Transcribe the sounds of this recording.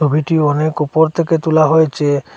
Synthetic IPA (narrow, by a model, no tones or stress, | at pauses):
obʱiʈiɔnekupɔɾt̪ʰeket̪ulaɦɔjt͡ʃe